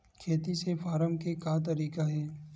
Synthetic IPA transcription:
kʰeːt̪isefʰaːɾəmkekat̪̬ɐɾiːkaɦɛː

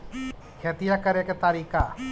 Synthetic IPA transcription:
kʰet̪ijakəɾeket̪aɾiːka

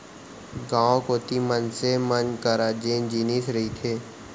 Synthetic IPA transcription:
ɡãːõkoːt̪imənsemənkəɾaːd͡ʒẽːnd͡ʒiːnisɾɐɦit̪ʰeː

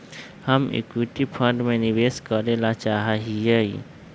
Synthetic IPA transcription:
həmḛkwiʈipʰə̃ɳɖmẽnɪʋeːskəɾeːlat͡ʃaːɦaɦiei

